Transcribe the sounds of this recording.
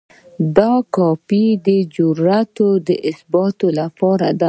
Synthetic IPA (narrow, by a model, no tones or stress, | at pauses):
d̪ɑkɑpid̪əd͡ʒʊɾat̪od̪əʔɪsbɑt̪olapɑɾad̪a